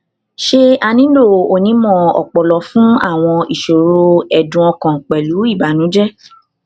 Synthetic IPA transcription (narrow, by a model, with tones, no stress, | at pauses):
ʃe˦a˧nĩ˦lo˦˨o˨nĩ˨˦mɔ̃˦˨ɔ̰˨k͡pɔ˨lɔ˨˦fũ˦a̰˦˨w̃ɔ̃˧i˨ʃo˨ɾo˧ɛ˨dũ˧˦ɔ̃˧kã˨k͡pɛ˨lu˨˦i˦˨ba˨˦nũ˨˦d͡ʒɛ˦